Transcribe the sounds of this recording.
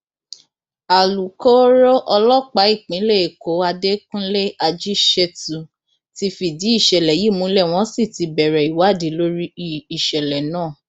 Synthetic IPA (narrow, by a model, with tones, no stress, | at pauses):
a˨lu˨kɔ˦ɾɔ˦ʔɔ˧lɔ˦k͡pa˨˦i˦˨k͡pĩ˨˦le˦e˨ko˨˦a˧de˦kũ˦le˦a˧d͡ʒi˦ʃɛ˦tu˨ | ti˧˦fi˨di˨˦i˦˨ʃɛ˨lɛ˨ji˨˦˨mũ˨˦lɛ˦˨w̃ɔ̃˦si˦˨ti˧˦bɛ˨ɾɛ˨i˨wa˨˦˨di˨˦lo˦ɾi˦i˨ʃɛ˨lɛ˨nãː˦˨